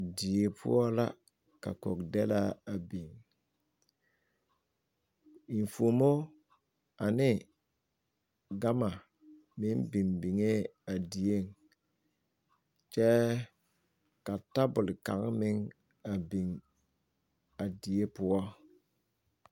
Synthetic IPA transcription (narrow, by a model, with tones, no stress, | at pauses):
di˨e˨pʰʊ̰˦ɔ˦la˦ | ka̰˨ko˨kdɛ˦la˦a˨bi˨ŋ | i˨n̩˨fo˨mo˦ | a˨nɪ˦ | ɡa˦ma˨ | mɪ˦nbi˨nbi˨ŋe˦a˨di˨e˦˨ŋ | t͡ʃɛ˦ | ka˨ta˦bʊ˨lɪ˨ka˨ŋ˦mɪ˦ŋ | a˨bi˨ŋ | a˨di˨e˦pʊ˦ɔ˦